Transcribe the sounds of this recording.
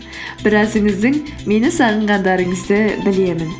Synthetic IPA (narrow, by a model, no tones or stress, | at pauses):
b̥ɪɾæzɪŋɪzd̪ɪŋ | me̞nɪsɑʁəɴʁɑnd̪ɑɾəɴəzd̪əbɪle̞mɪn